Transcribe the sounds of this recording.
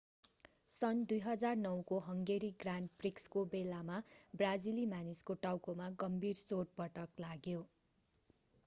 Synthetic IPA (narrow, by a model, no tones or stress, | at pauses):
sʌnd̪ujɦʌd͡zarnʌwkoɦʌŋɡeɾiɡranʈprikskobelamabrad͡zilimaniskoʈawkomaɡʌmbʱirsoʈ̚pʌʈʌklaɡjo